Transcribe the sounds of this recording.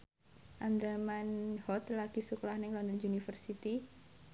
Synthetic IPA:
ʔand̪ɾəmanhɔt̪laɡ̥isukɔlahnɪŋlɔnd̪ɔnunifərsit̪i

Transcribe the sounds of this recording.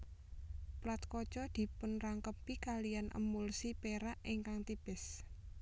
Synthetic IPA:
plat̪̚kɔ̥t͡ʃɔd̪̥i̤pʊnraŋkəpikalijanʔə̰mʊlsipeɾaʔiŋkaŋt̪ib̥ɪs

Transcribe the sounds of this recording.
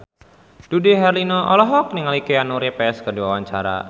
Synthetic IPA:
d̥udiɦɛrlinoʔɔlɔɦɔk̚nɪŋalikeanuɾepɛskərdiwawaɲt͡ʃaɾa̰

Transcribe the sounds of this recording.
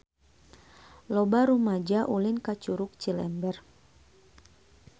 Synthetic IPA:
lɔbaɾumad͡ʒaʔulinkat͡ʃuɾʊk̚t͡ʃilɛ̰mbɛr

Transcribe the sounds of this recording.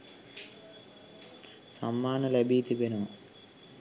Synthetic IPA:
samːaːnəlæbiːt̪ibenəʋa

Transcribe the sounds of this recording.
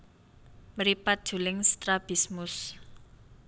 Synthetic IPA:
məɾipat̪̚d̥ʒ̥ṳlɪŋst̪ɾab̥ismʊs

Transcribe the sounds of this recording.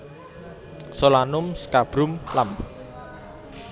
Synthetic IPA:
solanʊmskab̥ɾʊmlam

